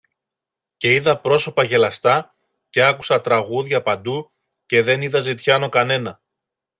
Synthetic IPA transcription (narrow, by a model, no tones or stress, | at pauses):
ce̞iðɐpɾo̞so̞pɐʝe̞lɐst̪ɐ | ce̞ɐku̥sɐt̪ɾɐɣuðʝɐpɐnd̪u | ce̞ðe̞niðɐzit̪çɐno̞kɐne̞nɐ